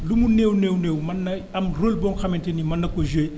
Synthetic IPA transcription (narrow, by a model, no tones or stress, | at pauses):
lumunewnewnewmɐnːɐɐmrolbɔnxɐmɛntenimɐnːɐkoʒue